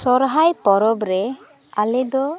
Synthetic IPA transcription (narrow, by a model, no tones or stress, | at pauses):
sɔɾɦajpɔɾɔbɾɛ | alɛd̪ɔ